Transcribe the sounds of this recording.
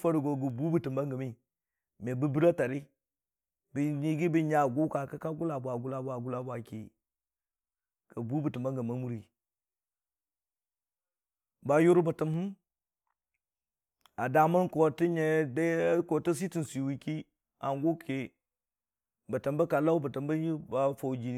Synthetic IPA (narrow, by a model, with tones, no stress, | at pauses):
fa˦ɾi˨ɡo˨ɡu˨bu˦bə˨tə˨mba˦ŋɡə˨mi˦ | me˨bə˦bi˦ɾa˦ta˨ɾi˦ | bi˨ɲi˦ɡi˦bi˦ɲa˨ɡo˦ka˨ka˦ka˦ɡu˦la˨bʷa˨ɡu˦la˨bʷa˨ɡu˦la˦bwa˨kḭ˨ | kə˨bu˦bə˨ti˨mba˦ŋɡə˨ma˦mu˦ɾi˨ | ba˦ju˦ɾu˦ba˨ta˦m˦hu˦m | a˨da˨ma˦nko˨ti˦ɲe˨da˦ko˨ta˦s̬i˦ti˨n˨si˨wi˦ki˦ | a˨nɡo˦kʰe˨ | ba˨ta˨mba˦ka˨la˦u˦ba˨ta˨mba˦ji˦ba˦fo˨wd͡ʒi˦n˦